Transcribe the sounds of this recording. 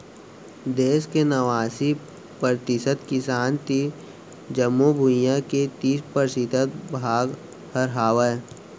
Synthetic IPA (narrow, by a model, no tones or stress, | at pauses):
d̪eːskenəʋaːsi | pɾət̪ɪsəd̪kɪsaːnt̪i | d͡ʒəmːubʱujãket̪iːspəɾsɪt̪ət̪̚bʱaːɡ | həɾɦaːʋə